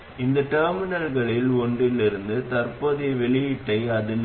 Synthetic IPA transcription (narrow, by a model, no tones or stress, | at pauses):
ɪnd̪ɐʈɐːɾmɪnɐlɣɐɭɪlɔɳɖɪlɪɾɯnd̪ɯt̪ɐɾpɐðɪʋɛɭɪjɪʈːɐɪɐðɪn